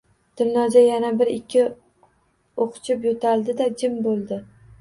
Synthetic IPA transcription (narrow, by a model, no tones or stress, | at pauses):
d̪̥ɪmnɒd͡ʒ̪ajanabɪɾɪkʲʰːɪ | oqʰt͡ʃʰɪpjot̪ʰald̪ɪd̪ad͡ʒɪmbolˠd̪ɪ